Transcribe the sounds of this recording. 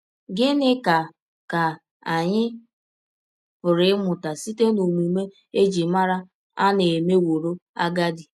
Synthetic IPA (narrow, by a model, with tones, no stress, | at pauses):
ɡɪ˦nɪ˦ka˨ | ka˨ | a˨ɲɪ˦ | pʊ˨ɾɪ˨˦mʊ˨ta˨si˦te˦no˨m˨i˨me˦ | e˦d͡ʒi˨ma˦ɾa˦ | a̰˦ne˨me˦wo˨ɾo˦a˦ɡa˦dɪ˨